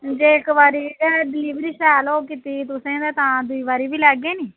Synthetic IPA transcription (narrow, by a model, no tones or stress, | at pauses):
d͡ʒeːɪkʋaːɾiːɡɛɖɪliːʋɾiːsɛːloːkit̪iːt̪ʊsẽːd̪eːt̪ãːd̪ʊiːʋaːɾiːbiːlɛːɡeːniː